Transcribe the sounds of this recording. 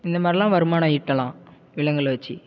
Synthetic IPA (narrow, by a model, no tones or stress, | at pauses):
ɪnd̪ɐmaːd̪ɾilãːʋɐɾɯmaːnɐɪʈːɐlãː | ʋɪɭɐŋɡɐɭʋɐt͡ʃːi